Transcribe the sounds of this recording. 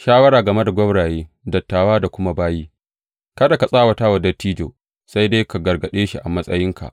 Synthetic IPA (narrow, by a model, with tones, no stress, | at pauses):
ʃaː˦wɐ˦ɾaː˨ɡɐ˨me˦da˨ɡʷɔ˦bɽaː˨jeː˦ | dɐ˨tːaː˨waː˦da˨kʷʊ˦ma˦baː˦jiː˦ | kɐ˦da˨ka˨sʼaː˦˨wɐ˨taː˦wɐ˨dɐ˦tːiː˦d͡ʒo̰ː˨ | sa˦jde˦jka˨ɡɐ˨rɡɐ˨ɗeː˦ʃi˦ʔa˨mɐ˦sʼɐ˦jɪ˦ŋka̰˨ʔ